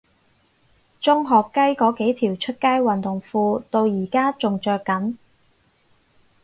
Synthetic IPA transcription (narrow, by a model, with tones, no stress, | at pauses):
t͡sʊ˥ŋɦɔː˨kːɐ˥jkɔː˨˥ke˨˥jt̪ʰiː˨˩wt͡ʃʰɵ˥t̚kaː˥jwɐ˨nt̪ʊ˨˩ŋfuː˧t̪o˧wjiː˨˩kaː˥t͡sʊ˨ŋt͡ʃœː˧kːɐ˨˥n